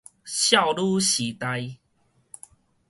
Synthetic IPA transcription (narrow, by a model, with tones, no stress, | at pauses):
ɕja˥˨wlu˦ɕi˨t̪a˧j